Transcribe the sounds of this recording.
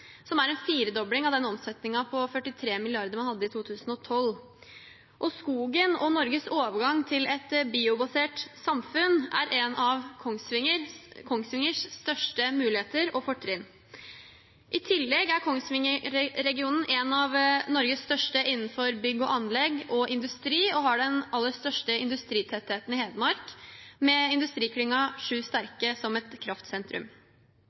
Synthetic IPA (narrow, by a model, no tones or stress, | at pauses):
sɔmæɾɛnfiːɾəd̪ɔblɪŋɑʋd̪ɛnɔmsɛt̪nɪŋɑpʰɔfœʈːɪt̪ʰɾeːmɪlɪɑɾd̪əɾmɑnhɑd̪ːəɪt̪ʰuːt̪ʰʉːsn̩ɔt̪ʰɔl | ʔɔskuːɡənɔnɔɾɡəsoːʋəɾɡɑŋt̪ʰɪlɛt̪biːʊbɑseːʈsɑmfʉnʔæɾʔɛnɑʋkʰɔŋsʋɪŋəɾkʰɔŋsʋɪŋəʂst̪œʂʈəmʉːlɪheːt̪əɾɔfɔʈʰːɾɪn | ʔɪt̪ʰɪlːɛɡæɾkʰɔŋsʋɪŋəɾɛɡɪuːnn̩ʔɛnɑʋnɔɾɡəsst̪œʂʈəʔɪnːn̩fɔɾbʏɡːɔʔɑnlɛɡɔʔɪnd̪ʉst̪ɾiːɔɦɑɖɛnɑlːəst̪œʂʈəɪnd̪ʉst̪ɾiːt̪ʰɛt̪ːheːt̪n̩ɪheːd̪əmɑɾkmɛɪnd̪ʉst̪ɾiːkʰɽɪŋɑʂʉːst̪æɾkəsɔmɛt̪kʰɾɑft̪sɛnt̪ɾʉ̰m